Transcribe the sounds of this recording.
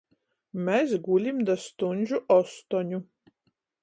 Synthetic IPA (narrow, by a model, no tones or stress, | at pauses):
mʲɛsɡulʲimd̪ast̪unʲʒʲuʔɔst̪ɔnʲu